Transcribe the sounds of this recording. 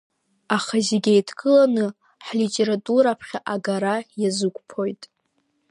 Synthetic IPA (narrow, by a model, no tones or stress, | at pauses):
aχaziɡʲejtʰɡʼɨlanɨ | ħlitʼe̞ɾatʼuɾapʰχʲaʔaɡaɾajazɨkʷʼpʰo̞jtʼ